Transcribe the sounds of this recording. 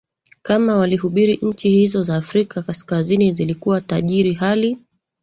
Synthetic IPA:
kamawaliɦuɓiɾiʔɲ̩t͡ʃihizɔzaːfɾikakaskazinizilikuwataʄiɾiɦali

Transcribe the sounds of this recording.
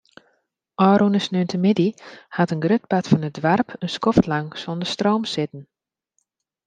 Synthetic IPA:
ʔɔːɾunəsnøntəmɪdihatənɡrøt̚patfɔnədʋarpʰənskɔftlaŋsɔndəstrowmsɪtn̩

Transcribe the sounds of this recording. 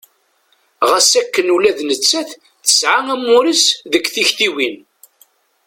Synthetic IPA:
ʁəsækːənulæðnət͡sːæθ | θə̥sʕaæmːʊɾisðəkʷːθiçt̪iwin

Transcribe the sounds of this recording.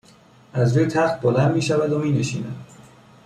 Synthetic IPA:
ʔæzvejt̪ʰæxt̪̚bolænd̪miːʃævæd̪omiːneʃḭːnæ̰d̪̥

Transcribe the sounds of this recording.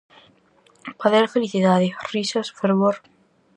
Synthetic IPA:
paðeɾfeliθiðaðerisosfeɾβoɾ

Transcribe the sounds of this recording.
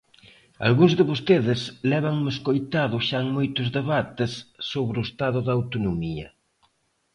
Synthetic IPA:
a̰lɣũŋzðɪβost̪eðɪslɛβaŋmɪeskojt̪aðʊʃaŋmojt̪ʊzðeβat̪ɪsːoβɾʊest̪aðʊðawt̪onomiɐ̰

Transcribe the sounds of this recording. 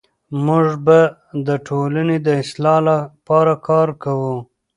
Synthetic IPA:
muʐbad̪əʈʰolaned̪əɪslɑlapɑɾakɑɾkawu

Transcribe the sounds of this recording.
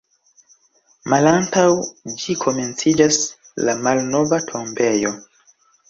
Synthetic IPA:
malantawd͡ʒikʰome̞nt͡sid͡ʒas | lamalno̞vatʰo̞mbe̞jo̞

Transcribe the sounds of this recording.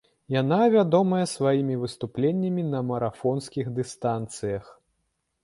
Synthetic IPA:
janavʲad̪ɔmɐjɐsvajimʲivɨst̪uplʲenʲːɐmʲinɐmɐɾafɔnskʲixd̪ɨst̪ant̪sɨjɐx

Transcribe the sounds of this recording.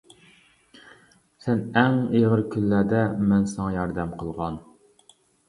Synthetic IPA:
sɛnɛŋeʁəɾkʲʰylːæd̪ɛmɛnsɑŋɑjɑɾd̪ɛmqʰəlˠʁɑn

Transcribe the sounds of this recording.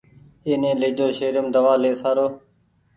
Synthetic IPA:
eːnẽːleːd͡ʒoːʃeːɾʊmd̪əʋaːleːsaːɾoː

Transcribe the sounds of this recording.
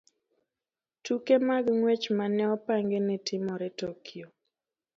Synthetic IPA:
tukemaɡŋwɛt͡ʃmanɛɔpaŋɡenɛtɪmɔɾɛtokʰio

